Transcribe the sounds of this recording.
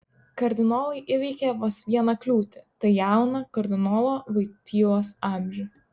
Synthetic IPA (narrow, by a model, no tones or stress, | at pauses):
kɐɾʲd̪ʲɪnoːlˠɐɪʔɪʋʲɛɪkʲeːʋoːsʋʲiɛnɐklʲuːt̪ʲɪt̪ɐɪjæˑʊnɐkɐɾʲd̪ʲɪnɔːlˠoːʋɐɪt̪ʲiːlˠoːsɑˑmʲʒʲʊ